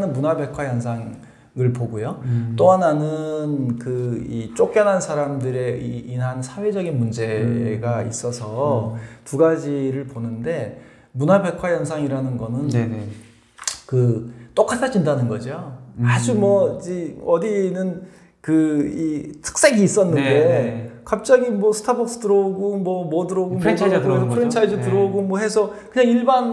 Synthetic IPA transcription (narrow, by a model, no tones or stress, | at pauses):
nɯnmunabe̞kʰwajʌnsʰaŋ | ɯɭpoɡujot͈oɦananɯnkɯit͡ɕ͈ok͈jʌnɦansʰaɾamdɯɾe̞iinɦansʰawe̞d͡ʑʌɡinmund͡ʑe̞ɡaḭs͈ʌsʰʌtuɡad͡ʑiɾɯɭponɯnde̞ | munabe̞kʰwajʌnsʰaŋiɾanɯnɡʌnɯn | kɯt͈ok͈ʰatʰad͡ʑindanɯnɡʌd͡ʑioad͡ʑumwʌd͡ʑiʌdinɯn | kɯitʰɯ̥k̚s͈eɡiːs͈ʌnːɯnde̞kap̚t͡ɕ͈aɡimwʌsʰɯ̥tʰabʌk̚s͈ɯ̥tɯɾʌoɡomwʌmwʌdɯɾʌɡomkpʰɯɾint͡ɕʰaid͡ʑɯtɯɾʌoɡomwʌɦe̞sʰʌkɯɲaŋiɭban